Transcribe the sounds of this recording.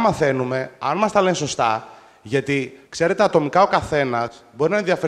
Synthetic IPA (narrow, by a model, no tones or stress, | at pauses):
mɐθe̞nume̞ɐnmɐst̪ɐle̞nso̞st̪ɐ | ʝɐt̪ikse̞ɾe̞t̪eːt̪o̞mikɐo̞kɐθe̞nɐbo̞ɾinɐenðiɐfe